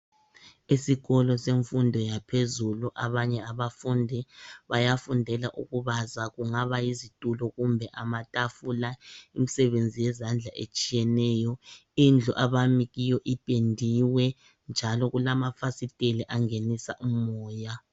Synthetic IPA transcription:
isiɣɔlɔseɱfundʱɔjapʰezuluʔaβaɲɛaβafundʱɛβajafundʱɛlaʔuɣuβazaɣuŋaβajizitʼulɔɣumbʱɛʔamatʼafulaimisɛβend͡zʱijɛzand͡ɮʱaʔḛt͡ʃʼijɛnɛːjɔind͡ɮʱuʔaβamiɣijɔʔipʼendʱiwɛ | nd͡ʒʱalɔɣulamafasitʼeliʔaŋenisa̰ʔumɔːja

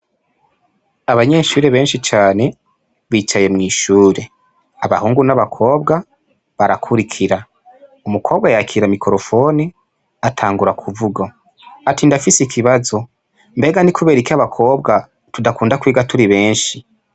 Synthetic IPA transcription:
aβaɲe̞ʃuːɾe̞βe̞ːnʃit͡ʃaːne̞ | βiːt͡ʃaje̞mŋiːʃuːɾe̞ | aβa̰huːŋɡunaβakʰo̞ːbɡa | βaɾakʰuɾikʰiɾa | umukʰo̞ːβɡajakʰiɾamikʰo̞ɾo̞fo̞ni | atʰaːŋɡuɾakʰuvuɡo | atindafisikʰiβazo̞ | mbe̞ːɡanikʰuβe̞ːɾikaβakʰo̞ːbɡa | tudakuːndakwiːɡatuɾiβe̞ːnʃi

